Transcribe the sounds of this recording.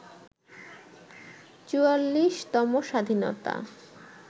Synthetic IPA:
t͡ɕualːiʃt̪ɔmoʃad̪ʱino̰t̪a̰

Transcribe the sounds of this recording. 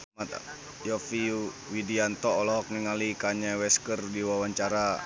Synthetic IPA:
mat̪ | jɔfi | widiant̪ɔɔlɔɦɔk̚niŋalikaɲawɛskərdiwawaɲt͡ʃaɾa

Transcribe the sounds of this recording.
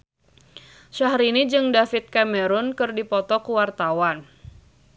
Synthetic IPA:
ʃaɦɾinid͡ʒɨŋdafɪt̪̚kamɛɾʊnkɨrdipɔt̪ɔkuwart̪awan

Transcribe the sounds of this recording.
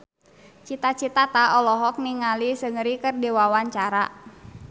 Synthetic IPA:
t͡ʃit̪at͡ʃit̪at̪aɔlɔɦɔk̚niŋalisəŋəɾikərdiwawaɲt͡ʃaɾa

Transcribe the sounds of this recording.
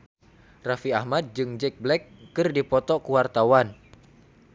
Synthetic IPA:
rafiahmad̪̚d͡ʒɨŋd͡ʒɛk̚blɛkːɨrdipɔt̪ɔkuwart̪awan

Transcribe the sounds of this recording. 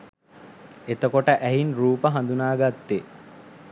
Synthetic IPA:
et̪əkoʈəʔæɦinruːpəɦand̪unaːɡat̪ːe

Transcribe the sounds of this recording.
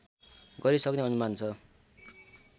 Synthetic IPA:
ɡʌɾisʌkneʌnumant͡sʰʌ

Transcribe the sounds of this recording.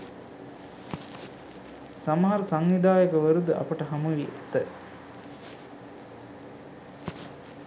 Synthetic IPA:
saməɦaɾəsaŋʋid̪aːjəkəʋəɾud̪əa̰pəʈəɦaməʋiʔæt̪ə

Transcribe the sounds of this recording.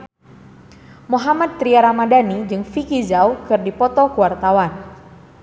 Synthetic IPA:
moɦamad̪̚t̪ɾiaɾamadanid͡ʒɨŋfikizawkɨrdipɔt̪ɔkuwart̪awan

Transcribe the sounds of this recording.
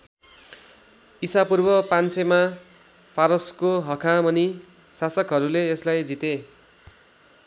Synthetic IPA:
isapurbʌpansema | pʰaɾʌskoɦʌkʰamʌni | sasʌkɦʌɾuleːslajd͡zit̪e

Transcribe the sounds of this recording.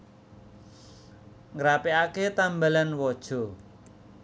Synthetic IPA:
ŋɾapiaket̪ambalanwɔd̥ʒ̥ɔ̤

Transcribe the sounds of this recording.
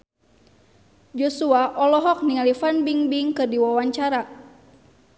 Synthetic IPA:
d͡ʒɔsuaʔɔlɔɦɔk̚niŋalifanbiŋbiŋkɨrdiwawaɲt͡ʃaɾa

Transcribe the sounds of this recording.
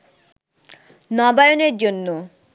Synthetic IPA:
nɔbajoneɾd͡ʑonːo

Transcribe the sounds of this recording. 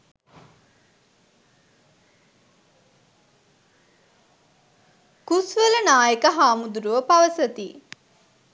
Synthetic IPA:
kusʋələnaːjekəɦaːmud̪uɾuʋəpaʋəsət̪i

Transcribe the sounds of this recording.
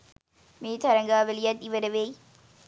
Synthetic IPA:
meːt̪ʰɐɾɐŋɡaːʋelijɐt̪ːiʋɐɾɐʋej

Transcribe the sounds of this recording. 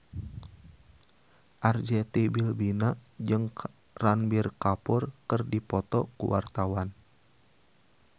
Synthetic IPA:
ʔard͡ʒɛt̪ebilbinad͡ʒɨŋ | ranbɪrkapʊrkərdipɔt̪ɔkṵwʔa̰rt̪awan

